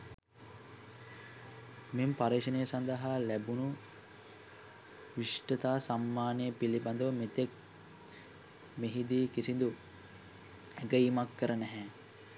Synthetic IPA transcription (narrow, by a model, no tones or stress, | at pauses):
mempaɾeːʃənejəsand̪əɦaːlæbunu | ʋiʂʈət̪aːsamːaːnejəpiliband̪əʋəmet̪ek̚ | meɦid̪iːkisind̪u | eɡəimakːəɾənɛɦɛ